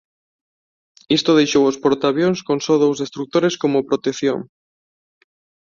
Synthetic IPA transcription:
ist̪oð̞ejʃowospoɾt̪aβjonskonsoðowzðest̪ɾuk̚t̪oɾeskomopɾot̪ekθjo̰ŋ

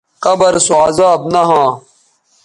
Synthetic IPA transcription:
kɐbɐɾsuaːzaːbnɐɦãː

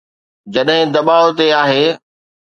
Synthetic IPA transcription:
d͡ʑɐɗɦɪ̃d̪ɐɓaːot̪eaːɦeː

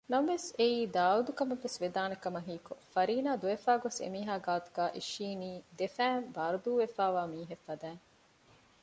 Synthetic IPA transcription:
nɐmʋeseiːd̪aːʋɐd̪ukɐmɐʋːesʋed̪aːnɐkɐmɐɦiːkofɐɾiːnaːd̪uʋefaːɡosḛmiːɦaːɡaːt̪u̥ɡaːʔiʃiːniːd̪efæːmbaːɾud̪uːʋefaːʋaːmiːɦefːɐd̪æːŋ

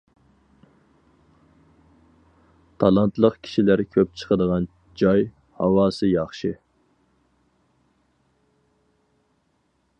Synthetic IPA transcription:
t̪ʰɑlˠɑnt̪ʰlˠəqkʲʰi̥ʃilæɾkʲʰøp̚t͡ʃʰə̥qʰəd̪əʁɑn | d͡ʒɑj | hɑwɑːsɨjɑχʃɨ

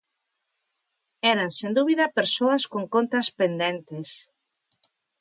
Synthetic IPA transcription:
ɛɾansẽnd̪uβiðɐpeɾsoɐskoŋkont̪ɐspend̪ɛnt̪es

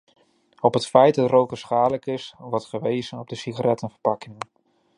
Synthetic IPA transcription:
ɔpətfɛjt̚dɑtrowkəsχaːdləkɪsʋɔɹtχəʋejzənɔb̚dəsiχaɾɛtənvəɹpɑkɪŋən

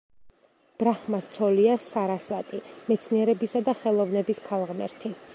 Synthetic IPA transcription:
b̥ɾaχmast̪sʰɔliasaɾasat̪ʼimɛt̪sʰniɛɾɛbisad̪aχɛlˠɔvnɛbiskʰalˠʁmɛ̰ɾt̪ʰi

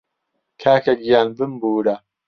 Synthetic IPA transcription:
kʰaːkɐɡijaːnbɨmbuːɾa

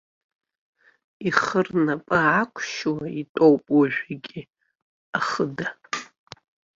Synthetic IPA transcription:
iχərnapʼaakʷʰʃwaitʼowpʼwaʒᶣʷaɡʲʼi | aχəda

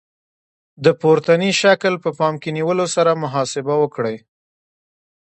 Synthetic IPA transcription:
d̪əpoɾt̪aniʃaklpəpɑmkeniwəlosaɾamʊɦɑsɪbawəkɽəj

